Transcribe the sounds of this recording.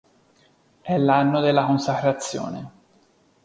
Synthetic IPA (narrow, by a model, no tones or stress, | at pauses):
ɛlːanːod̪elːakonsakɾat̪sːjo̰ːnḛ